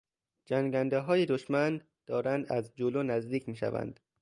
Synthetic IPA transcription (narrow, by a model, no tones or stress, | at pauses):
d͡ʒæŋɡænd̪eɦɒːjed̪oʃmæn | d̪̥ɒːɾænd̪æzd͡ʒoloːnæzd̪iːcʰmiːʃæ̰væ̰nd̪̥